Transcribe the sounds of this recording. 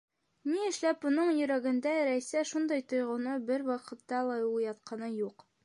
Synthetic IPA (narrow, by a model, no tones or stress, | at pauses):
niɘ̆ʃlæp̚bŏnɤɴjɵ̆ɾæɡɘ̆nd̪æɾæsæʃund̪ɑjt̪ŏjʁŏnɤbɘɾwɑqɤ̆t̪ːɑlˠɑjɑt̪̚qʰɑnɤjuq